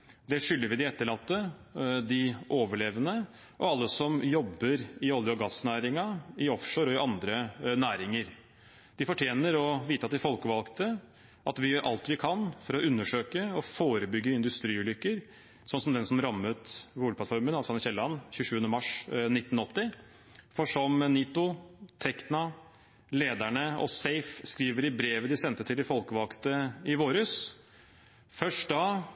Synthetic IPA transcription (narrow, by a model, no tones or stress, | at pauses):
d̪ɛʂʏlːəɾʋɪd̪ɪɛt̪ːəɭɑt̪ːəd̪ɪʔoːʋəɭeːʋənə | ʔɔɑlːəsɔmjɔbːəɾɪɔljəɔɡɑsnæːɾɪŋɑɪɔfʂoːɾɔɪʔɑnd̪ɾənæːɾɪŋəɾ | d̪̥ɪfɔʈʰjeːnəɾɔʋiːt̪əɑt̪d̪ɪfɔlkəʋɑlkt̪ə | ʔɑt̪ʋɪjøːɾʔɑ̰lt̪ʋɪkʰɑnfɔɾɔʔʉnːəʂøːkəɔfoːɾəbʏɡːəɪnd̪ʉst̪ɾiːʉːlʏkːəɾ | sɔnːsɔmd̪ɛnsɔmɾɑmːət̪buːɡ̪əpʰlɑt̪fɔɾmənɑsɔɑnəçɛlːɑnːçʉːʂʉːənəmɑʂnɪt̪ːn̩ɔt̪ːɪ | fɔʂɔmniːt̪ʊt̪ʰɛknɑ | leːd̪æɳəɔ̰seɪfskɾiːʋəɾɪbɾeːʋəd̪ɪsɛnt̪ət̪ʰɪlɪfɔlkəʋɑlkt̪əɪʋoːɾəs | fœʂʈd̪ɑ